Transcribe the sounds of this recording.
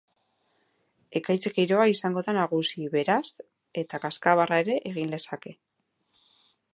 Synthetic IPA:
e̞kajt͡sekiɾo̞aisaŋɡo̞ðanaɣ̞usiβe̞ɾas | e̞t̪akaskaβarae̞ɾe̞ʔeɣ̞ind̪e̞sake̞

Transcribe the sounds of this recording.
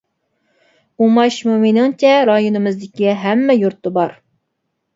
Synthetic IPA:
umɑʃmumɪnɪŋt͡ʃʰɛɾɑjonɨmɨzd̪ɪkʲiɦæmːɛjuɾt̪ːɨbɑɾ

